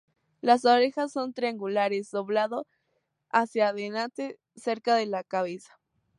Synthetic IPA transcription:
las̬oɾexasːo̞nt̪ɾiaŋɡulaɾesd̪o̞βlaðo | asjaaðenat̪e | se̞ɾkaðe̞lakaβesḁ

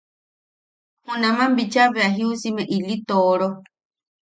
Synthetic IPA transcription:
hũnãmãmbit͡ʃaβeaɦiusimɛʔilit̪oɾo

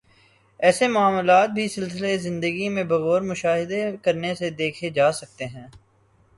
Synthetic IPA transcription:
ɛːsemʊaːmlaːt̪̚bʱisɪlsɪlezɪ̃nd̪əɡimẽbɐɣɔːɾmʊʃaːɦɪd̪ekɐɾnesed̪eːkʰed͡ʒaːsɐk̚t̪eɦɛ̃ː

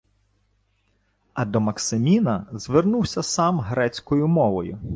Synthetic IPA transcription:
ɐd̪ɔmɐksɪmʲinɐzʋernuwsʲɐsɑmɦɾɛt͡sʲkɔjʊmɔʋɔjʊ

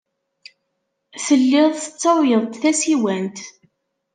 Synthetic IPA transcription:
θəlːɪðˤθə̥t͡sːɑwjəðˤt̪θæsiwænt̪

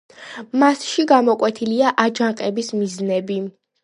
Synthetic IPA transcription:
masʃiɡamɔkʼwɛt̪ʰiliaʔad͡ʒaŋqʼɛbismiznɛbi

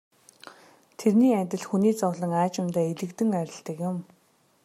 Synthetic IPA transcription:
t̪ʰerniːæt̪ʲɪ̆ɮxuniːt͡sɔɣɮə̆ŋaːt͡ɕɪ̆mt̪æːeɮɘ̆kt̪ɘ̆ŋæɾʲɪ̆ɬt̪ə̆kjʊ̆m

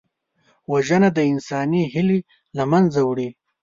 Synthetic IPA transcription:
waʒənad̪əɪnsɑːniɦɪli | lamanzawɽi

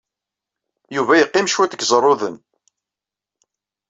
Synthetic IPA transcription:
juvæjəqːɪmʃwæθəɡzˤɾˤːoðən

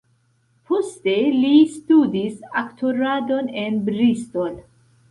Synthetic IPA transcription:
pʰost̪elist̪ud̪isakt̪ʰoɾad̪onenbɾist̪ol

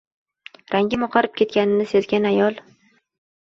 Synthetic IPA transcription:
ɾaŋɡʲɪmɒqʰɑɾɪp̚kʲʰe̞t̪̚kʲanɪnɪsezɡʲanajɒlˠ

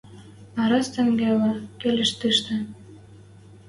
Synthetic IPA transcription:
ɑɾɑst̪ɘ̆ŋɡelɑkelɘ̆ʃt̪ɨʃt̪ə̆

